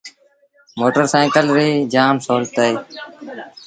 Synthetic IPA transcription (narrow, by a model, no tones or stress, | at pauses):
moːʈəɾsaːkəlɾiːd͡ʒaːmsoːlt̪əiː